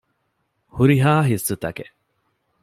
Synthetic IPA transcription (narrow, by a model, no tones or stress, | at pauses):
huɾiɦaːɦisɨt̪ɐ̰ke